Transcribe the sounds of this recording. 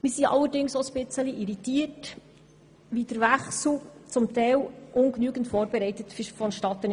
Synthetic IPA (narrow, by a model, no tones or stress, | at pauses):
mɪːɾsiʔɑ̰lːəɾdɪŋsosb̥ɪt͡səliʔiɾitiːət | ʋid̥əɾvæχsl̩t͡sʊmtɛɪlʔʊŋknyːɡəntfoːɾbɛɾɛɪtətffɔnʃtɑt̪ən